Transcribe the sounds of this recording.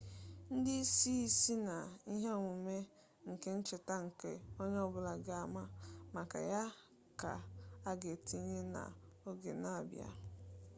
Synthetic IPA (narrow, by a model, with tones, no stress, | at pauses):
n̩˦dɪ˦si˦i˦si˦na˨i˦ɦe˦˨ŋʷu˨me˦ | ŋ̩˨ke˦n̩˦t͡ʃɪ˨ta˦ŋ̩˨kḛ˦o˦ɲ˦ɔ˦bʊ˦la˨ɡa˨ma˦ma˨ka̰˨ja˦ | ka̰˨a˦ɡe˨ti˨˦ɲe˦na̰˨o˦ɡḛ˨na˨bja̰˨